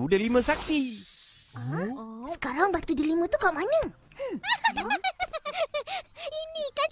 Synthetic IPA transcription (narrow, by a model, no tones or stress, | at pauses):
udalimə̃sak̚k̪i | sə̥kaɾaŋbat̪udilimə̃t̪ukaaʔmanə | inika